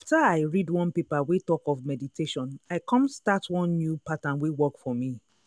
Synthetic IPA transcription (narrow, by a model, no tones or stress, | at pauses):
aftaaɪɹidwɔ̃npepawetɔkɔvmɛditʰeʃɔ̃naɪkʰɔ̃mstatʰwɔ̃nːjupatãnwewɔkfɔmi